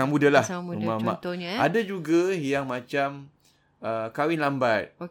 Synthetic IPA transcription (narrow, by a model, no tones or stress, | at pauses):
aŋmudalahumamaʔt̪ɔɲaadad͡ʒuɡajaŋmãt͡ʃam | əkawɪnlambat̪̚o